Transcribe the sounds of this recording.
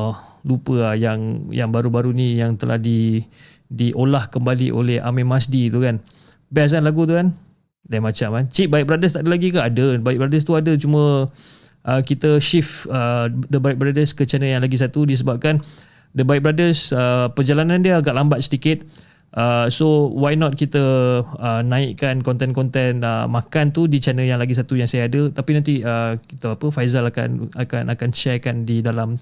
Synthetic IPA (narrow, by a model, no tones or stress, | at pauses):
lupəajaŋjaŋbaɾubaɾunijaŋt̪əlʔa̰hdi | diʔolahkəmbaliʔo̰lɛha̰mɛ̃masdit̪ukan | bas̬anlaɡut̪̬ukan | daimat͡ʃamant͡ʃiʔ̚baik̚bəɾadəs̬t̪aʔdəlaɡikanadəbaik̚bɾadəs̬t̪uadət͡ʃumə̃ | ʔəkit̪əʃifədəbaik̚bəɾadəskət͡ʃanəjaŋlaɡis̬at̪udis̬əbap̚kan | dəbaɪk̚bəɾadəsəpərd͡ʒalanãndiəaɡaʔlambat̪̚sədikɪt̪̚ | ʔəsowajnɔt̪̚kit̪əənãɪkkankɔnt̪ɛnkɔnt̪ɛnə̰makant̪udit͡ʃanəjaŋlaɡis̬at̪ujaŋsajaːdət̪apinant̪iəki̥t̪əapəfajzalaka̰naka̰nʔakanʃɛrkandidalam